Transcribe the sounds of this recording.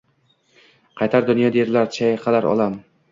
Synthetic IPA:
qʰɑjt̪ʰaɾd̪ʊnjɒd̪ajeɾlaɾt͡ʃʰajqʰɑlaɾɒ̰lˠam

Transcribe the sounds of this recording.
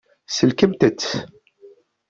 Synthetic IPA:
səlkəmt̪ət͡sː

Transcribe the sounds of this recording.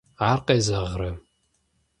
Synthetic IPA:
aːrqeːzɐʁrɐ

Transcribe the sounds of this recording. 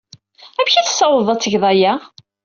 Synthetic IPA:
æmçiθə̥sːɑwəðˤɑt͡sːəʝðˤɑjæ

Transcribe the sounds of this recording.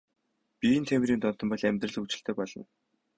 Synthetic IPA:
pint̪ʰem̆ɾiːnt̪ɔn̥t̪ɞ̆mpɔɮæmʲt̪rə̆ɮ̆ut͡ɕɪ̆ɬt̪ʰĕːpɔɮɞ̆n

